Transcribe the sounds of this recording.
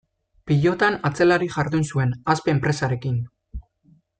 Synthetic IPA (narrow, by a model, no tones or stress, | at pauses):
piʎo̞t̪anat͡se̞laɾiʝaɾðunsue̞naspe̞ːmpɾe̞saɾe̞kin